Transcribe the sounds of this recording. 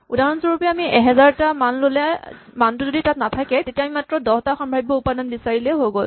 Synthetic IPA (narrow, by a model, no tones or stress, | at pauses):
udaɹɔnsɔɹupɔjaːmiʔɛɦɛzaɹtamanlolɛmantʊzoditatnatʰakɛtetijamimatɹɔdɔhtaxɔmbʱabibɔupadɔnbisaɹilɛɦoɡol